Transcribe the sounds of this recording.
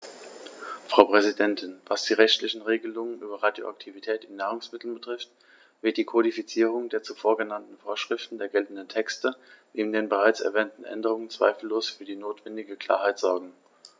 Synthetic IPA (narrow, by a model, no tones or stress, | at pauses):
fʁ̥aʊpʁ̥ɛzidɛntʰɪnvasd̥iːʁɛçtlɪçn̩ʁeːɡəlʊŋənʔyːbɐʁadjo̰ʔa̰k̚tʰivitʰɛːtɪnːaːʁ̞ʊŋsmɪtl̩nbətʁ̥ɪft | v̥ɪɐt̚d̥iːkʰodifit͡siːʁ̞ʊŋdeːɐt͡sufoːɐɡənantn̩foːɐʃʁ̥ɪftn̩deːɐɡɛltn̩dən̩tʰɛkstəneːbm̩deːnbəʁaɪt͡sɛ̰ɐvɛːntn̩ʔɛ̰ndəʁ̞ʊŋənt͡sv̥a̰ɪfl̩ːoːsfyːɐdiːnoːtv̥ɛndɪɡəkʰl̥a̰ːɐɦaɪtz̥ɔɐɡŋ̩